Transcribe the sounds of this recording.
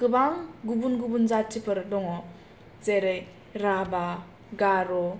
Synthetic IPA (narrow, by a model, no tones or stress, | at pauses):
kɯbaŋɡubunɡubunzatt͡ʃʰipʰɯɾdɔŋɔ | zeɾɯj | ɾaba | ɡaɾɔ